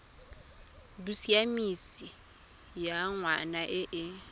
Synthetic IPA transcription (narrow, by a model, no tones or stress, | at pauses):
busiamisi | jaŋwanaʔɛʔɛ